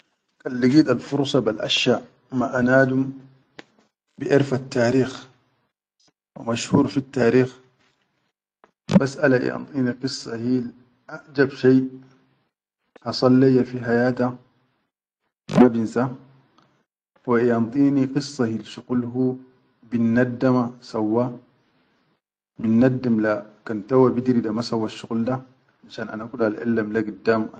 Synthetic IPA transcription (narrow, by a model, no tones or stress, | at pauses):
kalːiɡiːd̪alfuɾˤsˤɑbalʔa̰ʃjaːʔ | maʔanaːd̪um | bɪʔɪɾfat̪ːaːɾiːx | wa̰maʃhuːɾfit̪ːaːɾiːx | basʔalaʔḭɑ̰nt̪ˤiːniqɨsˤːɑhil | ʔaʔd͡ʒabʃaj | hɑsˤɑlːajafiɦajaːt̪a | mabinsa | waʔiɑnt̪ˤiːniqɨsˤːɑhilʃuɣlɦu | binːad̪ːamasawːa | minːad̪ːimlakant̪awabid̪ɾid̪amasawːaʃːuɣld̪a | ʔaʃaːnʔa̰naʔakulalʔa̰lːamlakid̪ːam